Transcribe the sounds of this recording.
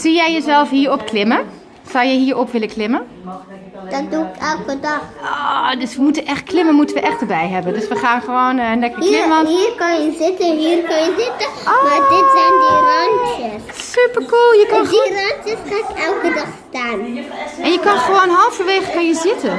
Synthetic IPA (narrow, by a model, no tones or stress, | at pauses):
z̥ijɛjjəzɛlˠfhiːəɹɔpklɪmə | z̥ɔwjəɦiːɹɔpʋɪləklɪmə | d̥ɔt̚duɪkɛlˠkədɑxodøsʋəmutənʔɛxt̚klɪmənmutənʋəʔɛxtdəbɛjɦɛbəndøsʋəxaːnχəʋoːnəndɛkəklɪɔniːrkɑnjəzɪtəɦiːrkɑnjəzɪtəomadɪtsɛjndirantəssypəɹkulˠjəkirɑntjəsxaːɪkɛlˠkədɑxstaːnɛnjəkɑnxəʋoːnɦɔlˠfəʋeːxəkɑnjəzɪtə